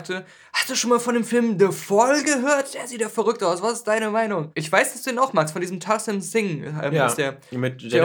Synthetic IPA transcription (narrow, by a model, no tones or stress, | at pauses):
tʰə | hastd̥uːʃoːnmaːlfɔndeːmfɪlmdəfɔlɡəɦøːɐt̚d̥eːɐziːtj̥aːfɛɐʁʏk̚taʊsv̥asɪstd̥aɪnəmaɪnʊŋʔɪçv̥aɪsd̥asd̥uːdeːnaʊxmaːkstfɔndiːzəmtʰasɛmsɪŋa̰mɪd̥eːɐmɪtd̥eː